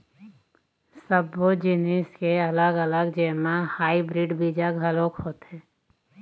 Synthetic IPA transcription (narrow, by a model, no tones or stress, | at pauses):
səbːod͡ʒɪnɪskeɐləɡələɡd͡ʒɛːmahaːibɾiːɖbiːd͡ʒaɡɦəloːkɦoːt̪ɦɛː